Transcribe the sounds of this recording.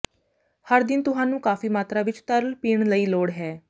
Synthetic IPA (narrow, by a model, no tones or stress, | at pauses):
həɾd̪ɪnt̪ʊɦãːnũːkaːfiːmaːt̪ɾaːʋɪt͡ʃt̪əɾlpiːɳ̃ləiːloːɽɦɛː